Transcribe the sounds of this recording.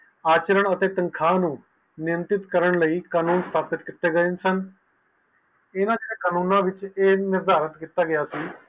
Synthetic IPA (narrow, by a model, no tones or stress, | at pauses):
aːt͡ʃəɾəɳət̪eːt̪əŋkʰaːnũː | nɪəmt̪ɪt̪kəɾəɳləiːkaːnũːnst̪ʰaːpɪt̪kɪt̪ːeːɡəeːnsən | ɪnãːd͡ʒːɽeːkaːnũːnãːʋɪt͡ʃeːnɪɾd̪ʱaːɾət̪kiːt̪aːɡɪjaːsiː